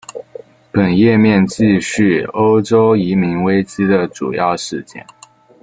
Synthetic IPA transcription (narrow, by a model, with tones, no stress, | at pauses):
pə˨˩njɛ˥˧mjɛ˥˧nt͡ɕi˥˧ɕy˥˩o˥ʊʈ͡ʂo˥ʊi˧˥mi˧˥ŋwe˥ɪt͡ɕi˥d̪ə˨ʈ͡ʂṵ˨˩jɑ˥˧ʊʂɻ̩˥˧t͡ɕjɛ̰˥˩n